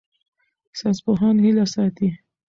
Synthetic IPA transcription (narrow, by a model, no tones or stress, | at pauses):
saspʊɦɑnhilasɑt̪i